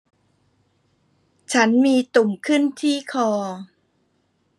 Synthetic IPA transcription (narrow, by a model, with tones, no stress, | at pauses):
t͡ɕʰa˦˥nmiː˧t̪u˨˩mkʰɯ˥˩nt̪ʰiː˥˩kʰɔː˧